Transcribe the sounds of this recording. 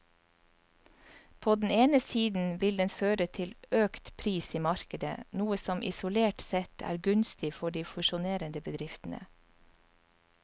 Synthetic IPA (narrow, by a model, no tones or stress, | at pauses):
pʰoːd̪n̩eːnəsiːd̪n̩ʋɪld̪ɛnføːɾət̪ʰɪløːkt̪pʰɾiːsiːmɑɾkəd̪ə̰nuːəsɔmʔɪ̰sʊleːʈsɛt̪ʰæ̰ːɾɡʉnst̪ɪfɔɖiːfʉʃʊneːɾənd̪əbəd̪ɾɪft̪n̩ə̰